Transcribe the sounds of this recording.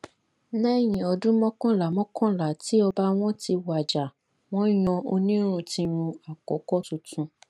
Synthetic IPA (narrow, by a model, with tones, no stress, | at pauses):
nɛ˦˨j̃ĩ˨ɔ˧dũ˦mɔ̃˦kɔ̃˦la˨mɔ̃˦kʰɔ̃˦la˨ti˨˦ɔ˧ba˦w̃ɔ̃˦ti˧wa˨d͡ʒa˨ | w̃ɔ̃˦j̃ɔ̃˧o˧nĩ˦ɾ̃ũ˦˨tĩ˧ɾ̃ũ˧a˨kɔ̰˨˦kɔ˦tũ˧tũ˧